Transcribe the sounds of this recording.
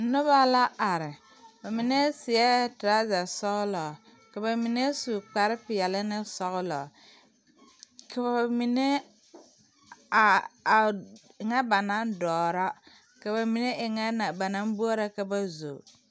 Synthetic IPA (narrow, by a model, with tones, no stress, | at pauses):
nʊ˦βa˦la˦ʔa˨ɾɪ˨ | ba˨mi˨ne˦sɪ˨ɛ˦ta˦za˨sɔ˦ɣʊ˦lɔ˨ | ka˨ba˨mi˨ne˦su˨k͡pa˨ɾɪ˦pɪ˨jɛ˨lɪ˦nɪ˦sɔ˦ɣʊ˦lɔ˨ | kʰa˨ba˨mi˨ne˦ | a˨a˨ɪ˨ŋa˦ba˨na˦ndɔː˨ɾa˦ | ka˨ba˨mi˨ne˦ʔɪ˨ŋa˦na˨ba˨na˦m˦bu˦a˦ɾa˦ka˨ba˦zo̰˨